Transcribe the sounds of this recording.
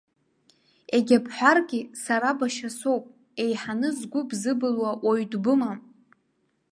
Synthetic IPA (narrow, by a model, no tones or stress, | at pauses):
eɡʲapʰħʷᶣarɡʲisaɾabaʃasowpʼ | e̞jħanɨzɡʷʊbzɨbɨlwaʔoɥdʼbɨma